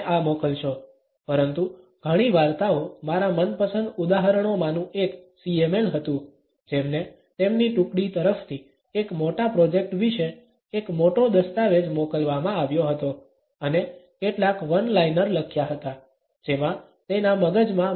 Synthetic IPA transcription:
amokəlʃo | pəɾənt̪u | ɡ̥ʱəɽ̃iʋaɾt̪aomaɾamənpəsənd̪ud̪aɦəɾəɳ̃omãnũʔeksiemelɦət̪ũ | d͡ʒemne | t̪emniʈukɽit̪əɾəft̪ʰi | ekmoʈapɾɔd͡ʒek̚ʈʋiʃeː | kmoʈod̪əst̪aʋed͡ʒmokəlʋamãaʋjoɦət̪o | ənekeʈlakʋənlajnəɾləkʰjaɦət̪a | d͡ʒemã | t̪enaməɡəd͡ʒmã

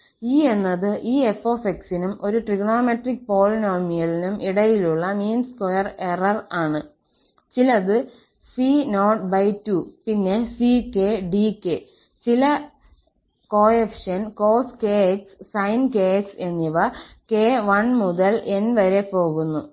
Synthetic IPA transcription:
iːe̞nːɐðɨʔiːefo̞ːfeksinumo̞ɾuʈriɡɳoːmeʈrik̚po̞ːɭnoːrmijɐɭinumʔiɽɐjiluɭːɐmiːnskojɐre̞rɐraːɳɨ | t͡ɕilɐðɨ | sino̞ːʈbɐjtːupinːe̞sike̞ːɖikːe | t͡ɕilɐ | ko̞ːefʂɐnko̞ːskeːekssɐjnke̞ːekse̞nːiʋɐ | ke̞ːʋɐɳmuðɐle̞nʋɐɾe̞po̞ːɣunːu

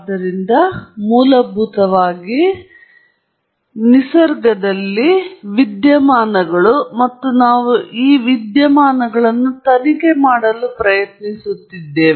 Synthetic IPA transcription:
d̪ɐɾind̪ɐmuːlɐbʱut̪ɐʋaːɡi | nisɐɾɡɐd̪ɐlːiʋid̪jɐmaːnɐɡɐɭumɐt̪ːunaːʋuʔiːʋid̪jɐmaːnɐɡɐɭɐnːut̪ɐnike̞maːɽɐlupɾɐjɐt̪nisut̪ːid̪ːe̞ːʋ

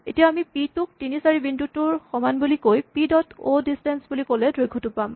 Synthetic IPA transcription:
etijaamipitʊk̚tinisaɹibindutʊɹxɔmanbulikojpidɔtʰodistɛnsbulikolɛdɹojɡʰʱɔtupam

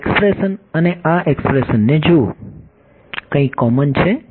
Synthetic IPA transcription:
kspɾesənəneʔaʔekspɾesənːed͡ʒu | kə̃ĩkɔmənt͡ʃʰe

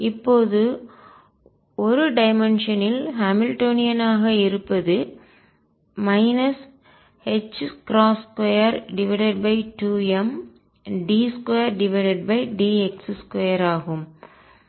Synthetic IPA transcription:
ɪpːoːðɯ | ɔɾɯɖɐɪmɛnʃɐnɪlɦɐmɪlʈoːnɪjɐnaːɣɐɪɾɯpːɐðɯ | mɐɪnɐs | hɛt͡ʃːkɾaːskɔjɐɾɖɪʋɐɪɖɐɖ̚bɐɪʈuːɛm | ɖiːskɔjɐɾɖɪʋɐɪɖɐɖ̚bɐɪɖiːɛksskwɔjɐɾaːɣɯm

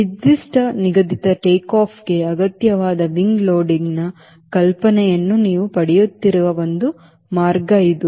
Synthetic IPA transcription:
ʋid̪ːiʂʈɐniɡɐd̪it̪ɐʈeːkaːpʰɡe̞ɐɡɐt̪jɐʋaːd̪ɐʋiŋɡloːɖiŋnɐ | kɐlpɐnɛjɐnːuniːʋupɐɽɛjut̪ːiɾuʋɐʋond̪u | maːɾɡɐid̪u

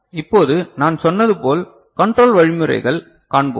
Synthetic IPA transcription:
ɪpːoːðɯnaːnsɔnːɐðɯpoːl | kɐɳʈɾoːlʋɐɻɪmɯɾɐ̰ɪɣɐɭ | kaːɳbo̰ːm

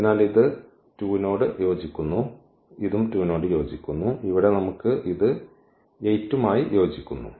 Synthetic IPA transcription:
inaːliðɨ | tuːno̞ːɽɨjo̞ːd͡ʑikʲːunːu | iðumtuːno̞ːɽɨjo̞ːd͡ʑikʲːunːuiʋiɽe̞nɐmukːɨʔiðɨ | etːumaːjijo̞ːd͡ʑikʲːunːṵ

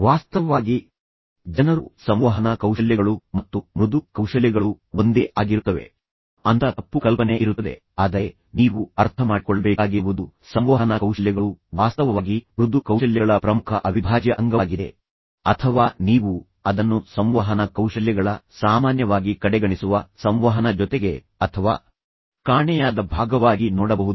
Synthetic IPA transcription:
ʋaːst̪ɐʋɐʋaːɡi | d͡ʒɐnɐɾusɐmʋɐɦɐnɐkɐwʃɐljɐɡɐɭumɐt̪ːumɾud̪ukɐwʂɐljɐɡɐɭuond̪eʔaːɡiɾut̪ːɐʋḛ | ɐnt̪ɐt̪ɐpːukɐlpɐneʔiɾut̪ːɐd̪e̞̰ | aːd̪ɐɾe | niːʋuɐɾt̪ʰɐmaːɖikɔɭːɐbɛːkaːɡiʋud̪usɐmʋaɦɐnɐkɐwʃɐljɐɡɐɭuʋaːst̪ɐʋɐʋaːɡiɾud̪ukɐwʃɐljɐɐɭɐpɾɐmukʰɐʔɐʋibʱaːd͡ʒɐʔɐŋɡɐːɡid̪e̞̰ | ɐt̪ʰɐʋaːniːʋu | ɐd̪ɐnːusɐmʋɐɦɐnɐkɐwʂɐljɐɡɐɭɐsaːmaːnjɐʋaːɡikɐɽɛɡɐɳisuʋɐsɐmʋɐɦɐnɐd͡ʒɔt̪eɡe̞ | ɐt̪ʰɐʋaː | kaːɳɛjaːd̪ɐbʱaːɡɐʋaːɡinɔːɽɐbɐɦud̪u

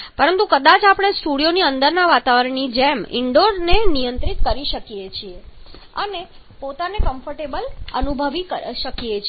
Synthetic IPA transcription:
pəɾənt̪ukəd̪at͡ʃapɽ̃esʈuɽijoniənd̪əɾnaʋat̪aʋəɾəɳ̃id͡ʒɛmɪ̰ɳɖoɾnenijənt̪ɾit̪kəɾiʃəkijet͡ʃʰie | əne | pot̪anekəmfʰəɾʈebələnubʱəʋikəʃəkijet͡ʃʰ

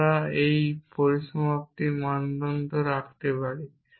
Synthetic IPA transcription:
aejpoɾiʃomap̚t̪imand̪ond̪oɾak̚ʰt̪epaɽe

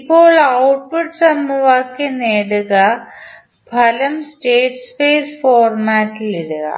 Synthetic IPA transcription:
ipːo̞ːɭɐwʈ̚puʈsɐmːuʋaːkːeneːɽuɣɐ | pʰɐlɐmsʈeːʈsfeːsfoːrmaːʈːiliɽuɣɐ̰

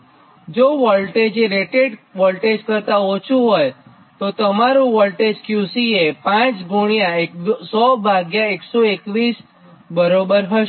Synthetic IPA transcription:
d͡ʒoʋəlʈed͡ʒeɾeʈeɖʋəlʈed͡ʒkəɾt̪ãot͡ʃʰũɦoj | t̪ot̪əmaɾũʋəlʈed͡ʒkjusiepãt͡ʃɡʱuɽ̃ijaesɔbʱaɡjaeksoekʋis | bəɾobəɾɦəʃ

